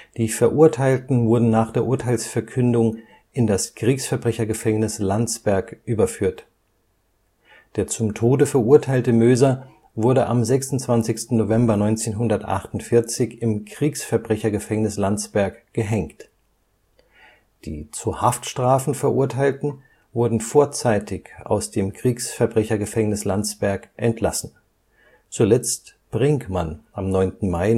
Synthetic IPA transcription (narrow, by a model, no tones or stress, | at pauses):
d̥iːfɛɐʔʊɐtʰaɪltn̩vʊɐdn̩naːχd̥eːɐʔʊɐtʰaɪlsfɛɐkʰʏndʊŋ | ʔɪndaskʁ̥iːksfɛɐbʁɛçɐɡəfɛŋnɪslant͡sb̥ɛɐkʔyːbɐfyːɐt | d̥eːɐt͡sʊmtʰoːdəfɛɐʔuɐtʰaɪltəmøːzɐ | vʊɐɾəʔa̰mzɛksʊnt͡sv̥ant͡sɪçstn̩novɛmbɐnɔʏnt͡seːnɦʊndɐtʔa̰χtʊntfɪɐt͡sɪçɪmkʁ̥iːksfɛɐbʁɛçɐɡəfɛŋnɪslant͡sb̥ɛɐkɡ̥əɦɛŋkt | d̥ḭːt͡suhaftʃtʁ̥aːfn̩fɛɐʔuɐtʰaɪltn̩ | vʊɐdn̩foːɐt͡saɪtʰɪça̰ʊsd̥eːmkʁ̥iːksfɛɐbʁɛçɐɡəfɛŋnɪslant͡sb̥ɛɐkʔɛntʰla̰sn̩ | t͡sulɛt͡st | b̥ʁɪŋkmanʔamnɔʏntn̩maɪ